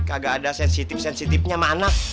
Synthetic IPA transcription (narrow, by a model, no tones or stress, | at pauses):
kaɡaːdasɛnsit̪ɪfsɛnsit̪ɪfɲamana